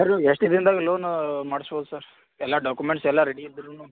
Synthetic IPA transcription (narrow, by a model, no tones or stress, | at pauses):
sɐɾeʂʈid̪ɾind̪aːɡeloːnumaːɽsboːd̪usaːɾ | ɛlːaɖaːkumeɳʈsɛlːɐɾeɽiid̪ɾunuː